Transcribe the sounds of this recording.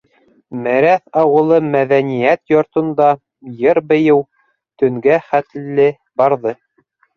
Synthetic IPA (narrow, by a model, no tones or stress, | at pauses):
mæɾæθɑwɤ̆lˠɤmæðænijæt̪jŏɾt̪ɤ̆nd̪ɑ | jɤɾbɘ̆jɘw | t̪ɵ̆ŋɡæχæt̪lːɘ | bɑɾðɤ